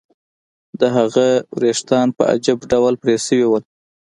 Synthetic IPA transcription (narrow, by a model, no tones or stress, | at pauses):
d̪əɦaɣawɾeʂt̪ɑnpə̰a̰d͡ʒabɖawlpɾesəwiwəl